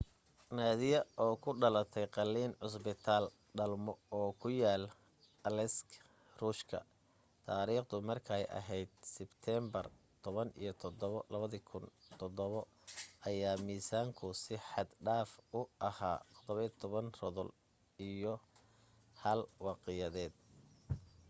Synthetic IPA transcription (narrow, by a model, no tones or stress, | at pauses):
naːðɪjɐʔɔːkʰʊɖɐlɐt̪ʰɛjqɑlːiːnʕʊs̬bɪt̪ʰaːl | ɖɐlmɔɔːkʰʊjaːl | ɐlɛsk | ruːʃkʰɐ̰ | t̪ʰaːɾiːχd̪ʊmɐrkʰɐɛjʔɐ̰ɦɛjd̪̚sɪbt̪ʰɛːmbɐr | t̪ʰɔβɐnḭjɞt̪ʰɔd̪ɔβlɐβɐðikʰʊnt̪ʰɔd̪ɔβɔ | ʔɐjaːmiːsaːŋkʰʊsɪħɑd̪ɖaːfʊʔɐha̰ːt̪ʰɔ̥d̪ɔβɐt̪ʰɔβɐnrɔðɔl | ijɔ | hɐlwɑːqɪjɐðɛːd̪̚